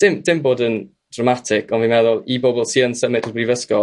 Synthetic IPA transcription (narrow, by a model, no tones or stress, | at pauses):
d̥ɪmdɪmboːdən | d̥ramatʰɪkʰɔnvinmɛðʊlˠibɔbɔlˠsiːənsəmɪtʰbrivəskɔ